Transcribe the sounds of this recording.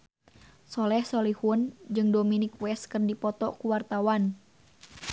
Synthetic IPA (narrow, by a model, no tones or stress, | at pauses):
sɔlɛhsɔlihund͡ʒɨŋdominikwɛskɨrdipɔt̪ɔkuwart̪awan